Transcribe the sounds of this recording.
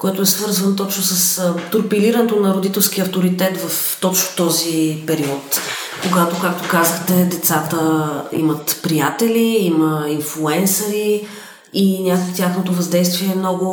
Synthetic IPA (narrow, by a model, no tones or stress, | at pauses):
kɔjt̪oɛsvɤɾzvənt̪ɔt͡ʃnʊsəst̪uɾpiliɾənɛt̪onɐɾod̪it̪ɛlˠsk̟iəɐft̪oɾit̪ɛt̪vɐf | t̪ɔt͡ʃnʊt̪ɔzipɛɾiɔt̪ | koɡat̪okakt̪okazəxt̪ɛd̪ɛt̪sat̪əḭmɐt̪pɾijat̪ɛliiməinflˠuɛnsɐɾi | inʲjakokt̪ʲjaxnot̪ovɐzd̪ɛjst̪viɛːmnɔɡʊ